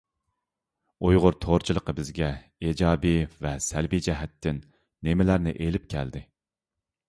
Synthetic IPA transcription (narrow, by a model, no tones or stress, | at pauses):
ujʁʊɾt̪ʰoɾt͡ʃʰilˠəqəbɪzɡʲɛ | ed͡ʒɑːbivɛsælbid͡ʒɛɦɛt̪ʰːɪnː | emɪlæɾnɪʔelɪp̚kʲʰæ̰ld̪ɪ